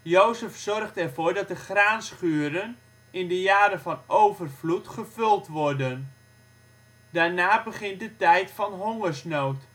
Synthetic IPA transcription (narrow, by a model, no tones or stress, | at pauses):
jowzəfsɔrχtɛrvoːɹdɑt̚dəχraːnsχyːəɾən | ɪndəjaːɾəfɔnowvərvlutχəfɵlˠtʋɔrdən | daːɹnaːbəχɪnt̚dətɛjtfɔnɦoŋərsnoːt